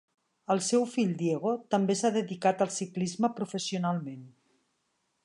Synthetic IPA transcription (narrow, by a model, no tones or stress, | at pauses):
əlˠsɛwfiʎd̪jeɣot̪əmbesaðəðikat̪əlˠsiklizməpɾufəsiunalˠmen